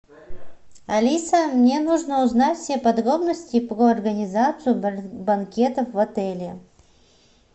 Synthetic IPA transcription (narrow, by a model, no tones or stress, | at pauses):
ɐlʲisəmnʲenuʐnəʊznatʲfʲsʲepɐd̪ɾo̞bnəsʲtʲɪpɾoɐrɡənʲɪzat̪sɨjʊbɐnkʲe̞t̪əfvɐt̪ɛlʲɪ